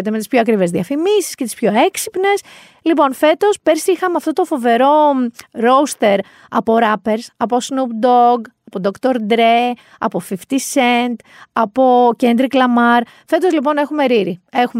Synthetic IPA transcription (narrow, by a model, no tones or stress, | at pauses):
t̪eme̞t̪ispçoɐkɾive̞zðiɐfimisi̥sce̞t̪ispço̞e̞ksipne̞s | lipo̞nfe̞t̪o̞spe̞ɾsixɐmeɐft̪o̞t̪ofo̞ve̞ɾo̞ɾo̞ust̪e̞ɾ | ɐ̰po̞ɾɐpe̞ɾsɐpo̞snupd̪oɡɐpo̞d̪okt̪o̞ɾd̪ɾe | ɐ̰po̞fift̪isend̪ɐpo̞ce̞nd̪ɾiklɐmɐɾ | fe̞t̪ozlip̬o̞ne̞xume̞ɾiɾie̞xum